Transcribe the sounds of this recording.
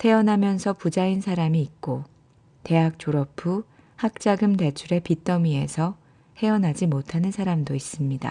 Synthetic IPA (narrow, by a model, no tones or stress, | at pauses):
tʰe̞ʌnɦamjʌnsʰʌpud͡ʑainsʰaɾamiːk̚k͈o | te̞ɦak̚t͡ɕ͈oɾʌpʰu | hak̚t͡ɕ͈aɡɯmte̞t͡ɕʰuɾe̞pit͈ʌmie̞̰sʰʌ | he̞ʌnɦad͡ʑimotʰanɯnsʰaɾamdois͈ɯmɲida̰